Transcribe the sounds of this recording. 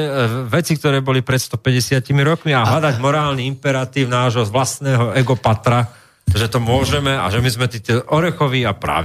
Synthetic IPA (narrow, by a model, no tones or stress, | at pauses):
ʋɛt͡sikt̪ɔɾɛːbɔlipɾɛt̪st̪ɔpɛɟɛsɪacimiɾɔkmiaɦlad̪aɟmɔɾaːlniimpɛɾat̪iːʊnaːʒɦɔʋlast̪nɛːɦɔɛɡɔpat̪ɾa | t̪ɔʒɛt̪ɔmʊɔʒɛmɛa̰ʒɛmizmɛt̪iːt̪ɔʔɔɾɛxɔʋiapɾa̰ː